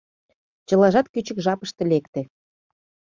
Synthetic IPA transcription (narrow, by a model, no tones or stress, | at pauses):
t͡ɕɤ̆lɑʒɑt̪kyt͡ɕə̆kʒɑpəʃt̪ĕlekt̪ĕ